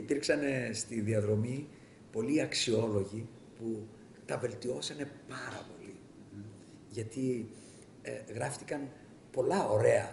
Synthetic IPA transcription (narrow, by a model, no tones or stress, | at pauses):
ipiɾksɐne̞st̪iðiɐðɾo̞mi | po̞liɐksio̞lo̞ʝi | pu | t̪ɐve̞lt̪io̞sɐne̞pɐɾɐ̰po̞li | ʝɐt̪i | ɣɾɐft̪ikɐn | po̞lɐo̞ɾe̞ɐ